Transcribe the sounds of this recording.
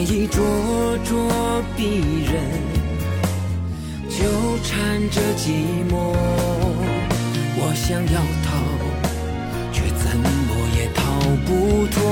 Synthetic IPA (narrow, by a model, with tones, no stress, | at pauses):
i˥˧˩ʈ͡ʂwɔ˥ʈ͡ʂwɔ˥pi˥˩ɻə˧˦nn | t͡ɕjo˧˥ʊʈ͡ʂʰa˧˥nʈ͡ʂə˧t͡ɕi˧˥mwɔ˧˥˧ | wɔ˨˩ɕjɑ˥ŋjɑ˥˩ʊt̪ʰɑ˥˧ʊ | t͡ɕʰɛ˥˩t͡sə˧˥nmɔ˧˥jɛ˨˩t̪ʰɑ˧˩ʊʊpu˧˥t̪ʰwɔ˥